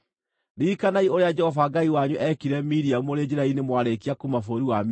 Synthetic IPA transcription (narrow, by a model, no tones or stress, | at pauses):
nikanaioɾead͡ʒɛhɔfaɡaiwaɲuʔɛkiɾɛmiɾiamuoɾed͡ʒeɾainemwaɾekiakumafoɾiwam